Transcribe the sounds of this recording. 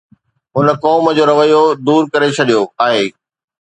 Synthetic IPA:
ɦʊnə̆kɔːməd͡ʑoːɾɐʋəjod̪uːɾkɐɾet͡ɕʰɐɗijoaːɦeː

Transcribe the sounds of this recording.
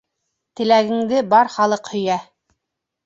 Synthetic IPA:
t̪ɘ̆læɡɘ̆ŋd̪ɘbɑɾχɑlˠɤqhɵ̆jæ

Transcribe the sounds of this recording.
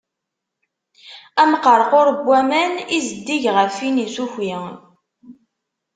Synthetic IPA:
æmqːəɾˤqʊɾbʷːæmænizəd̪ːiʝʁəfinisuçin

